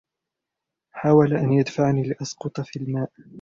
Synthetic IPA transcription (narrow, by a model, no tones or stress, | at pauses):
ħaːwalaʔanjad̪faʕniːlɪʔɑsqʊt̪ˤfiːlmaːʔ